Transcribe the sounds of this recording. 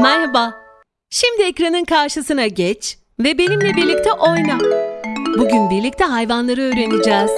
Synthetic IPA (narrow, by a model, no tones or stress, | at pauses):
mæɾhabaː | ʃimd̪iecɾanɯnkʰaɾʃɯsɯnaɟɛt͡ʃ | vɛbe̞nimlʲɛbiɾlʲic̚t̪ʰɛʔo̞jna | buɟynbiɾlʲic̚t̪ʰɛɦajvanlˠaɾɯøːɾe̞nid͡ʒɛːz̥